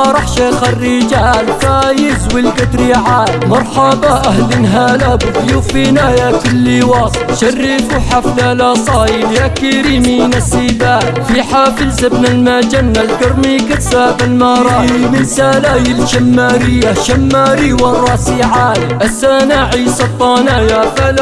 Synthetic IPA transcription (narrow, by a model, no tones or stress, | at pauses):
ɾˤɑħʃaxarːiːd͡ʒaːlfajɪzwilkat̪ɾiːʕaːlmɑɾˤħɑbaʔahlɪnɦaːlaːbfjuːfiːnaːjakʊlːiwɑːsˤɨ̥ʃarːifʊħaflalaːsˤɑːjiljakiɾiːminasiːbaːlfiːħaːfɪlsabnalmad͡ʒanːalkɑɾˤmikaaːbalmaːɾˤɑːimɪnsaːlaːjɪlʃamːaːɾɪjːaʃamːaːɾiwarˤːɑːsiʕaːliʔasanaːʕisɑt̪ˤːɑːnaːjafal